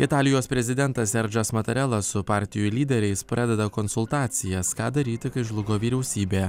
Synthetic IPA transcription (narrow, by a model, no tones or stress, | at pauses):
ɪt̪ɑːlʲɪjoːspʲɾʲɛzʲɪd̪ʲɛnt̪ɐsːʲɛɾʲd͡ʒʲosmɐt̪ʲɐɾʲɛlˠɐsʊpɑːɾʲt̪ʲɪjʊlʲiːd̪ʲɛɾʲɛɪspʲɾɑːd̪ʲɛd̪ɐkɔnsʊlˠt̪ɑːt̪sʲɪjɛskɑːd̪ɐɾʲiːt̪ʲɪkɐɪʒlˠʊɡoːʋʲiːɾʲɛʊsʲiːbʲeː